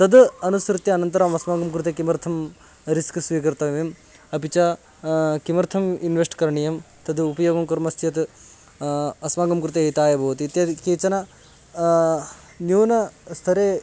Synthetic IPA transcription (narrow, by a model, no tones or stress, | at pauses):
t̪ɐd̪ɐnusɾut̪jɐɐnɐnt̪ɐɾamɐsmaːɡɐmkɾut̪ekimɐɾt̪ʰɐm | ɾiskɨsʋiːkɐɾt̪ɐʋem | ɐpit͡ʃa | kimɐɾt̪ʰɐminʋesʈkɐɾɳijɐm | t̪ɐd̪upɐjoːɡɐmkɐɾmɐst̪ʰijɐt̪ | ɐsmaːɡɐmkɾut̪eit̪aːjɐbʱɐʋɐt̪it̪jɐkeːt͡ʃɐnɐ | njuːnɐst̪ʰɐɾeː